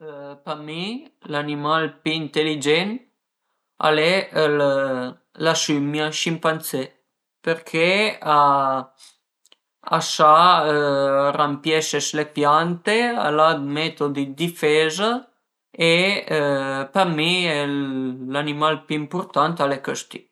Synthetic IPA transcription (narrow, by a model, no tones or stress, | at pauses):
pamilanimalpyːnt̪elid͡ʒɛn | a̰lel | lasymjaʃimpant̪se | peɾkʰea | a̰ʃa | rampjɛseslepjant̪ea̰lad̪met̪od̪id̪ifeza | e | pamiɛlanimalpyimpoɾt̪ant̪alekəst̪i